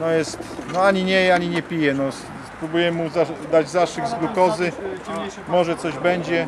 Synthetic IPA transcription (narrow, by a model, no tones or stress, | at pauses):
nɔjɛst̪nɔaɲiɲɛjaɲiɲɛpʲijɛnɔs | spɾubujɛmuzad̪ad͡ʑzaʂɘɡzɡlukɔzɘ | mɔʐɛt̪sɔʑbɛɲd͡ʑɛ